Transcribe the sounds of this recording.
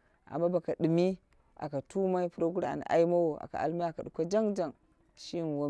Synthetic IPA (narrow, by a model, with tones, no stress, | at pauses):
a̰˨mːa˦ba˨ka˨ɗɨ˨mi˦ | a̰˨ka˨tu˦ma˦i˦pu˦ɾa˦ɡu˦ɾa̰˨n˨ʔa̰˦i˦ma˦wo˨a̰˨ka̰˨a̰˨lma˦a˨ka˨ɗu˨kʷa˦d͡ʒa˦ŋd͡ʒa˨ŋ | ʃi˦n˨wo˦